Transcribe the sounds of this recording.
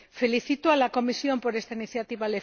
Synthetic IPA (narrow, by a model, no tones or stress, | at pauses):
fe̞liθit̪oalako̞misjo̞mpo̞ɾest̪ainiθjat̪iβale